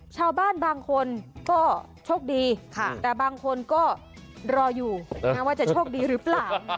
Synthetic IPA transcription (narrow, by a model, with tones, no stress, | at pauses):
t͡ɕʰaː˧wbaː˥˩nbaː˧ŋkʰo˧nkɔː˥˩ | t͡ɕʰoː˥˩k̚diː˧kʰt̪ɛː˨˩baː˧ŋkʰo˧nkɔː˥˩ | ɾɔː˧juː˨˩na˦˥waː˥˩t͡ɕa˨˩t͡ɕʰoː˥˩k̚diː˧ɾɯ˨˦˥plaː˨˩w